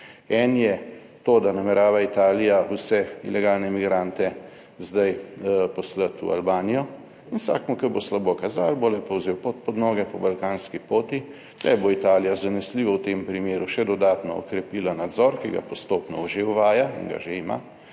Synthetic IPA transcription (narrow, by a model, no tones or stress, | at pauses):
ɛnjɛ | t̪oːd̪anamɛɾaːʋait̪aːlijausɛḭlɛɡaːlnɛmiɡɾant̪ɛ | zd̪ajpɔslət̪ṵa̰lbaːnijɔ | sa̰kmukəboslabokazalbolɛpɔwzewpot̪̚pɔd̪nɔːɡɛpɔbalkaːnskipoːt̪i | lɛ̰boit̪aːlijazanɛsliːʋɔwt̪empɾimeːɾuʃɛd̪ɔd̪aːt̪nɔɔ̰kɾɛpilanad̪zɔɾkiɡa̰pɔst̪oːpnɔ̰ʒewʋaːjaḭŋɡa̰ʒeima̰